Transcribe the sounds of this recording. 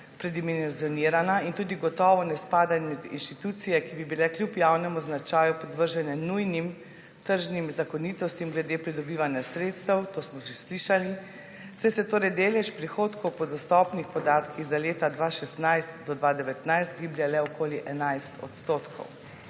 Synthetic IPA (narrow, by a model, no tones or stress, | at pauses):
pɾɛd̪iminzjɔniːɾanaint̪uːd̪iɡɔt̪ɔːʋɔnɛspaːd̪anɛmɛd̪ḭnʃt̪it̪ut̪sijɛkibibilɛklʲjupjawnɛmɔznat͡ʃaːjupɔd̪ʋəɾʒɛnjɛnujnim | t̪əɾʒnimzakɔniːt̪ɔst̪imɡlɛd̪eːpɾid̪ɔbiːʋanjasɾeːt̪st̪ɛwt̪oːsmɔsisliʃali | sɛjsɛt̪oːɾɛjd̪eːlɛʃpɾixoːt̪kɔwpɔd̪ɔst̪ɔpnixpɔd̪aːt̪kʰiɣzaleːt̪ad̪ʋaʃɛst̪najst̪d̪ɔd̪ʋad̪ɛʋɛt̪najst̪ɡiblʲjalɛɔkoːliʔɛnajst̪ɔ̰t̪st̪oːt̪kʰɔ̰w